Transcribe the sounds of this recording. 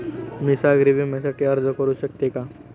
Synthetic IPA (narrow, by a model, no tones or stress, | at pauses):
misaɡɾibʱimɛsaʈeɐɾd͡ʒəkəɾusək̚t̪eka